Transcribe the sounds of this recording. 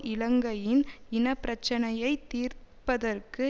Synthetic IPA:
ʔɪlɐŋɡɐjɪnɪnɐpːɪɾɐt͡ʃːɐnɐjɐɪt̪ːiːɾpːɐðɐrkɯ

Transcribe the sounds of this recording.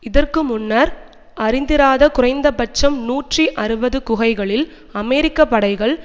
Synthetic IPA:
ɪðɐrkɯmʊnːɐɾ | ʔɐɾɪnd̪ɪɾaːðɐkʊrɐɪnd̪ɐpɐt͡ʃːɐmnuːʈriʔɐɾɯbɐðɯkʊɣɐɪɣɐɭɪl | ɐmɛːɾɪkːɐpːɐɽɐɪɣɐɭ

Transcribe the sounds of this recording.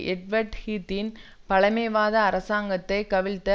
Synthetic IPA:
ʔɛɖʋɐɾʈhiːt̪ːɪn | pɐɭɐmeːʋaːðɐːɾɐsaːŋɡɐt̪ːɐɪkɐʋɪɭt̪ːɐ

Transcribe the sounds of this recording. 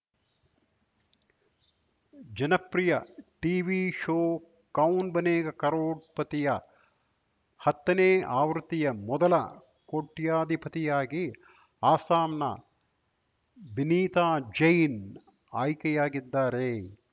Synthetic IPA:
d͡ʒɐnɐpɾijɐʈiːʋiʃoː | kɐwnbɐneːɡɐkɐɾoːɽ̚pɐt̪ijɐ | hɐt̪ːɐneːʔaːʋɾut̪ijɐmɔd̪ɐlɐ̰ | koʈːjaːd̪ʱipɐt̪ijaːɡi | aːsaːmnɐ̰ | biniːt̪aːd͡ʒɐjn | aːjkɛjaːɡid̪ːaːɾe

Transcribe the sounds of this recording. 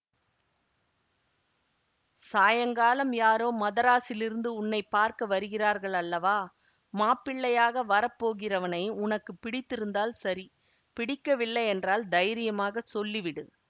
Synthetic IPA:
saːjɐŋɡaːlɐmjaːɾoːmɐðɐɾaːsɪlɪɾɯnd̪ɯʊnːɐɪpːaːɾkɐʋɐɾɯɣɪraːɾɣɐɭɐlːɐʋaː | maːpːɪɭːɐjaːɣɐʋɐɾɐpːoːɣɪrɐʋɐnɐɪʊnɐkːɯpɪɽɪt̪ːɪɾɯnd̪aːlsɐɾi | pɪɽɪkːɐʋɪlːɐjɛndraːld̪ɐjɾɪjɐmaːɣɐsɔlːiʋɪɽɯ̰

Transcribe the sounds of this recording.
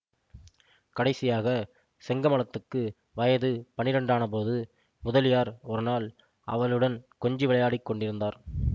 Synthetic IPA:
kɐɽɐɪsɪjaːɣɐ | sɛŋɡɐmɐɭɐt̪ːɯkːɯ | ʋɐjɐðɯpɐnɪɾɐɳɖaːnɐpoːðɯ | mʊðɐlɪjaːɾɔɾɯnaːl | ʔɐ̰ʋɐɭɯɽɐnkɔɲd͡ʒiʋɪɭɐjaːɽɪkːɔɳɖɪɾɯnd̪aːɾ

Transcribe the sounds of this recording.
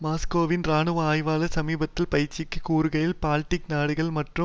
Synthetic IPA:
maːskoːʋɪnɾaːnɯʋaːjʋaːlɐsɐmiːbɐt̪ːɪlpɐjɾt͡ʃːɪkːɯkuːɾɯɣɐjɪlpaːlʈːɪknaːɽɯɣɐɭmɐʈrɯ

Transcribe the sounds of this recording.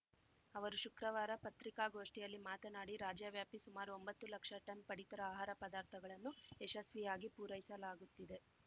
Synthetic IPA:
ɐʋɐɾuʃukɾɐʋaːɾɐpɐt̪ɾikaːɡo̞ːʂʈijɐlːimaːt̪ɐnaːɽiɾaːd͡ʒjaːʋjaːpisumaːɾuo̞mbɐt̪ːulɐkʂɐʈɐmpɐɽit̪ɐɾɐaːɦaːɾɐpɐd̪aːɾt̪ʰɐɡɐɭɐnːueʃɐsʋijaːɡipuːɾɐjisɐlaːɡut̪ːid̪e̞

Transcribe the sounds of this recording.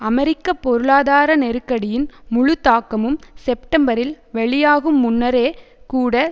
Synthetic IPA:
ɐmɛɾɪkːɐpːɔɾɯɭaːðaːɾɐnɛɾɯkːɐɽɪjɪnmʊɻɯt̪ːaːkːɐmɯmsɛpʈɐmbɐɾɪl | ʋɛɭɪjaːɣɯmːʊnːɐɾeːkuːɽɐ

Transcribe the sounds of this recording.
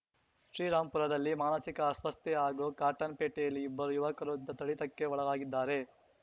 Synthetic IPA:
ʃɾiːɾaːmpuɾɐd̪ɐlːimaːnɐsikɐːsʋɐst̪jɛaːɡoːkaːɾʈɐnpeːʈɛjɐlːiːbːɐɾujuʋɐkɐɾud̪ːɐt̪ɐɭit̪ɐkːe̞ɔɭɐɡaːɡid̪ːaːɾe̞

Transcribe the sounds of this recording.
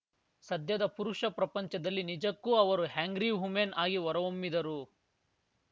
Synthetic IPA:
sɐd̪ʱjɐd̪ɐpuɾuʂɐpɾɐpɐɲt͡ʃɐd̪ɐlːinid͡ʒɐkːuɐʋɐɾuɦaːŋɡɾiɦumeːnaːɡiʋɔɾɐʋomːid̪ɐɾu

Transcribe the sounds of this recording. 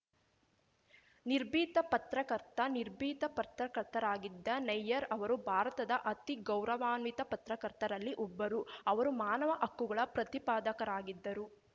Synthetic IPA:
niɾbʱiːt̪ɐpɐt̪ɾɐkɐɾt̪ɐniɾbʱiːt̪ɐpɐt̪ɾɐkɐɾt̪ɐɾaːɡid̪ːɐnɐjːɐɾɐʋɐɾubʱaːɾɐt̪ɐd̪ɐʔɐt̪iɡɐwɾɐʋaːnʋit̪ɐpɐt̪ɾɐkɐɾt̪ɐɾɐlːiʔɔbːɐɾuɐʋɐɾumaːnɐʋɐʔɐkːuɡɐɭɐpɾɐt̪ipaːd̪ɐkɐɾaːɡid̪ːɐɾu

